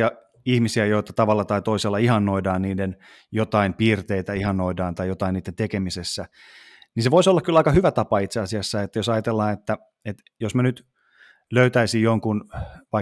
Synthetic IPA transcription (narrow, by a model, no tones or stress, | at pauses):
ɑ | ihmisiæjoit̪ɑt̪ɑʋɑlːɑt̪ɑit̪oiselːɑihɑnːoidɑːnniːden | jot̪ɑimpiːrt̪eit̪æihɑnːoidɑːnt̪ɑijot̪ɑinːiːt̪ent̪ekemisesːæ | niːnseʋoisolːɑkylɑikɑhyʋæt̪ɑpɑit̪seɑsiɑsːæet̪ːæjosɑjɑt̪elːɑːnet̪ːæ | et̪ | josmænyt̪ | løyt̪æisijjoŋkunʋɑi